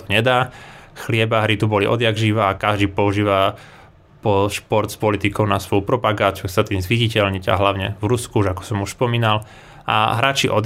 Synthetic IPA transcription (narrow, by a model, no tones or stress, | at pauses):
t̪ɔɲɛd̪aːxlɪɛbaɦɾit̪ubɔliʔɔ̰d̪jaɡʒiːʋaːkaʒd̪iːpɔuʒiːʋa | pɔʃpɔɾt̪spɔlit̪ikɔʊnasʋɔjupɾɔpaɡaːt͡sɪuxsat̪imzʋiɟicɛʎɲiɟa̰ɦlaʊɲɛvɾuskuuʒakɔ̥sɔmuʃspɔmiːnal | ʔa̰ɦɾaːt͡ʃiʔɔd̪